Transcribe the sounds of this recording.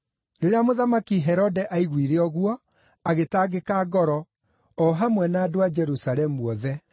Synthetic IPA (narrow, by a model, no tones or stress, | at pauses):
ɾeɾeamoðamakiɦɛɾɔdɛʔaiɣwiɾeɔɣwɔ | aɣetaːɡekaːɡɔɾɔ | ɔɦamwɛnaːdoad͡ʒɛɾusaɾɛmuɔðɛ